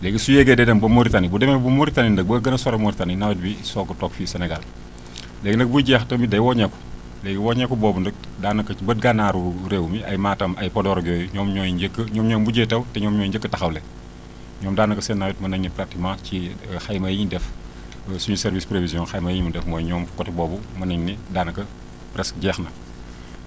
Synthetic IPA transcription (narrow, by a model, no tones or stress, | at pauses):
lɛːɡisujɛɡɛdɛdɐmbɐmoɾitanibudɛmɛbumoɾitanindək̚bəɡɐnɐsɔɾɐmoɾitaninawɛt̚bisɔːkɐtɔkfisɛnɛɡal | lɛːɡindɐk̚bujɟɛːxtɐmbidɐjwɔɲɛkːu̥ | lɛːɡiwɔɲɛkːubɔːbundək̚ | daːnɐkːɐibət̚ɡanaːɾuɾeːwmiɐjmaːtɐmɐjpɔdɔɾɔɡjɔːjuɲɔːmɲɔːjiɟəkːəɲɔːmɲɔːmbuɟejtɐwtɛɲɔːmɲɔːjiɲɟəkːətɐxɐwlɛ | ɲɔːmdaːnɐkɐsɛnːajut̚mɐnɐɲnipratimãcixɐjmɐjiɲdɛf | suɲusɛɾvispɾevizjɔ̃nxɐjmɐjiɲmudɛfmɔːjɲɔːmkɔtibɔːbumɐnɐɲnidaːnɐkɐ | pɾɛsɟɛːxnɐ